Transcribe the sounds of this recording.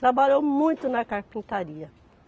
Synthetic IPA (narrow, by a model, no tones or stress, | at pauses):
t̪ɾabaʎowmũj̃t̪ʊnɐkaɾpĩnt̪aɾiɐ